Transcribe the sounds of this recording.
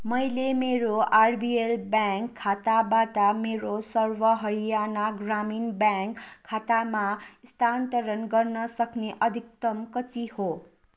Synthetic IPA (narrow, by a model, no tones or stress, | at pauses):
mʌjlemeɾoarbielbjaŋkʰːat̪abaʈʌmeɾosʌrwʌɦʌɾijanaɡraminbjaŋkʰːat̪amast̪ʰant̪ʌɾʌnɡʌrnʌsʌkneʔʌd̪ʱik̚t̪ʌmkʌt̪iho